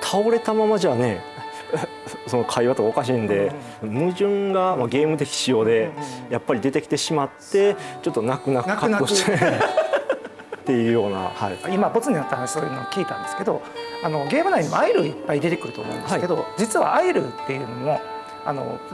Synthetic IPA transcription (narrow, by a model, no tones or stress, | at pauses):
t̪ʰaoɾe̞t̪amamaʑaːne̞ | so̞no̞kʰaiβat̪o̞kaokaɕ̬iːnd̪e̞ | mɯ̟ʑɨ̃ŋɡamaɡe̞ːmɯ̟t̪̬e̞kʲi̥ɕijo̞ːd̪e̞japːaɾʲid̪e̞t̪e̞kʲi̥t̪e̞ɕimat̪ːe̞t͡ɕo̞t̪ːo̞nakɯ̟nak̪akaɯnaoɕt̪e | t̪ːe̞jɯ̟ːjo̞ːna̰haiimabo̞t͡sɨɲ̟iat̪ːaso̞ːjɯːnoːkʲiːt̪ã̰nd̪e̞sɨ̥ke̞d̪o̞̰ | ano̞ɡe̞ːmɯ̟naiɲimoaiɾɯipːaid̪e̞t̪e̞kɯ̟ɾɯ̟t̪o̰mõ̰nd̪saiked̪o̞̰d͡ʑit͡sɨβa̰aiɾɯ̰t̪ːe̞jɯ̟ːmommo̞ | a̰no̞̰